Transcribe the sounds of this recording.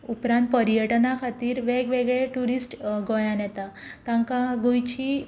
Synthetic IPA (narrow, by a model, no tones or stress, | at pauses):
upɾãnt̪̚pəɾijəʈnakʰat̪iːɾʋeɡʋeɡɭeʈuɾisʈɡojãnjɛt̪at̪ãŋkaɡujt͡ɕi